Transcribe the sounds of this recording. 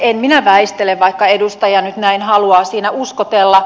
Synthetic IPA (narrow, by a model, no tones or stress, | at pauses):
enminæʋæist̪eleʋʋɑikːɑedust̪ɑjɑnyt̪næinhɑluɑːsiːnæuskot̪elːɑ